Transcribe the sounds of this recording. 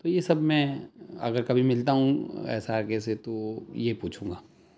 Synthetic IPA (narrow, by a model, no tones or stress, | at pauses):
t̪ojesɐbmɛ̃ɐ̰ɡəɾkɐbʱimɪlt̪aɦũɛ̰ːsaəɾkeset̪ojepuːt͡ʃʰũːŋɡaː